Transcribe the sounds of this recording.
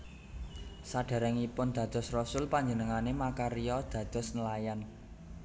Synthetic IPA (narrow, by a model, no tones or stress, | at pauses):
saɖ̥a̤ɾɛŋipʊnd̪̥ä̤d̪̥ɔ̤srɔsʊlpaɲd͡ʒənəŋanemakaɾijɔd̪̥ä̤d̪̥ɔ̤snəlajan